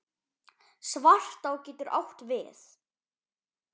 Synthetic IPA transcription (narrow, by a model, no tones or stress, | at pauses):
svar̥t̪awcɛːt̪ʏɾʔa̰wht̪vɪ̰θ